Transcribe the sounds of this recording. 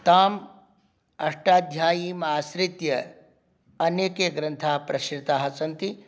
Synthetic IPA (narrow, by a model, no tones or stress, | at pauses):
t̪aːm | ɐʂʈaːd̪ʱjaːjimaːsɾɪt̪jɐ | ɐneːkeːɡɾɐnt̪ʰaːpɾɐʃɾt̪aːɦɐsɐnt̪i